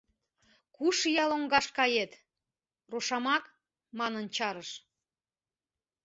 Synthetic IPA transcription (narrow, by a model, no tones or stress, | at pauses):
kuʃjɑloŋɡɑʃkɑjet̪ | roʃɑmɑk | mɑnənt͡ɕɑɾəʃ